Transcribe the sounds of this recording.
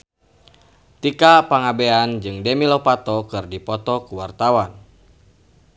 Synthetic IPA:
t̪ikapaŋabeand͡ʒɨŋdɛmilopat̪ɔkɨrdipɔt̪ɔkuwart̪awan

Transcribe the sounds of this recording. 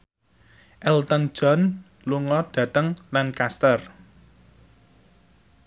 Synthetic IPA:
ʔɛlt̪ɔn̥ʒ̥ɔn | luŋɔd̥ä̤t̪əŋlankast̪ər

